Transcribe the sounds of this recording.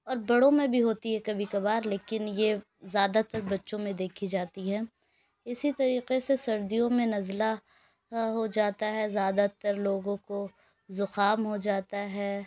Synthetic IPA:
ɔːɾbɐɽõmẽbʱiɦoːt̪iɦɛkɐbʱikɐbaːɾleːkɪnje | zjaːd̪at̪ɐɾbɐtːʃõmẽd̪eːkʰid͡ʒaːt̪iɦɛ̃ː | ɪsit̪ɐɾiːqesesɐɾd̪ijõmẽnɐzla | ɦod͡ʒaːt̪aɦɛzjaːd̪at̪ɐɾloːɡõko | zʊxaːmɦod͡ʒaːt̪aɦɛː

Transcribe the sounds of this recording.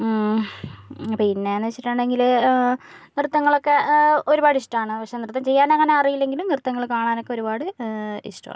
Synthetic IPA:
ɐpːoinːe̞ːnːɨʋet͡ɕːiʈːuɳɖeŋɡil | nirt̪ːɐŋːɐɭo̞kːe̞o̞ɾubaːɽɨiʂʈɐmaːɳɨpɐkʂenirt̪ːɐmt͡ɕejːaːnɐŋːɐne̞ɐrijilːeŋɡilumnirt̪ːɐŋːɐɭkaːɳaːno̞kːe̞o̞ɾubaːɽɨḭʂʈɐma̰ːɳ

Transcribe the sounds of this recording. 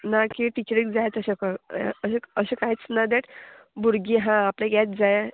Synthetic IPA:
nakiʈit͡ɕɾik̚d͡zajt̪əɕakaəɕeəɕẽkaɦit͡snad̪eʈ | buɾɡiɦãaplãɡat̪d͡zaj

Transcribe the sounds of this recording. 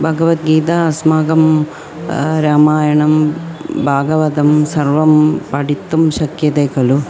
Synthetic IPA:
bʱɐɡɐʋɐt̪̚ɡiːt̪aːsmaːɡɐm | ɾaːmaːjɐɳɐmbʱaːɡɐʋɐd̪ɐmsɐɾʋɐmpɐɽit̪ːumʃɐkjɐt̪eːkɐlu

